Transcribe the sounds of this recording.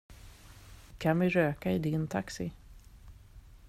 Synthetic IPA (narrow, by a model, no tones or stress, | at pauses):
kʰanvɪɾøːkaɪd̪ɪnt̪ʰaksɪ